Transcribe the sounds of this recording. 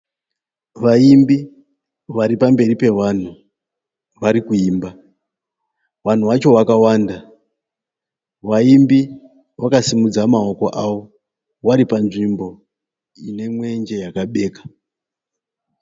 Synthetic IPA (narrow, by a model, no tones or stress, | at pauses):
ʋaimbi | ʋaɾipambe̞ripe̞wan̤u | ʋaɾikuiːmba | wan̤uwat͡ʃo̞wakawaːnda | ʋaimbi | wakasimud͡zamao̞ko̞ʔawo̞ | waɾipanʐimbo̞ | ine̞mwe̞nd͡ʒe̞jakaɓe̞ːkḁ